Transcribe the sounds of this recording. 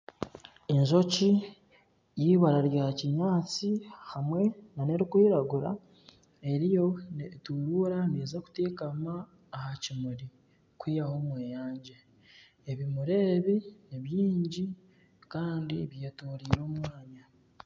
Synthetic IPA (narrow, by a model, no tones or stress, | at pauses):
enzo̞ci | jiːβaɾaɾjahaciɲaːt͡sihamwe̞nane̞ɾikwiːɾaɡuɾa̰ | e̞ɾijo̞netuːɾuːɾaneːzaku̥teːkamaː | hacimuɾi | kwiːjaho̞ːmweːjaːɲɟe | eβimuɾe̞ːβiniβjiːɲɟi | kaːndiβjeːtuːɾiːɾo̞ːmwaːɲa